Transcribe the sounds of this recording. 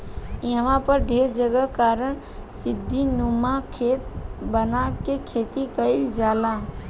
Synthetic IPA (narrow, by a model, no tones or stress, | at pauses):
jəʋãpəɾɖʱeːɾd͡ʒəɡəkaːɾəɳ | sɪd̪ʱːinumakʰeːt̪̚bənakekʰeːt̪ikəɪld͡ʒaːla